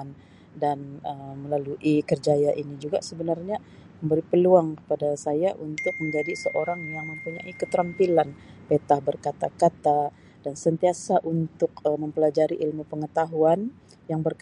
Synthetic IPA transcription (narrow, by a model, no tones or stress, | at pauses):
n | danəməlaluʔikərd͡ʒajaʔinid͡ʒuɡa̰səbənarɲa | məmbəɾipəluaŋkə̥padasajaʔunt̪ʊk̚məɲd͡ʒadisəʔoɾaŋjaŋməmpuɲa̰ʔikət̪əɾəmpilanpet̪ahbərkat̪akat̪a | d̥ansənt̪iasaʔunt̪ʊkəməmpəlad͡ʒaɾiʔilmupəŋət̪aɦuan | jaŋbərk